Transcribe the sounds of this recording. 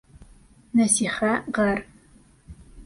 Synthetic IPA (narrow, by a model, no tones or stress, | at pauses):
nɐsiːχaʁɐr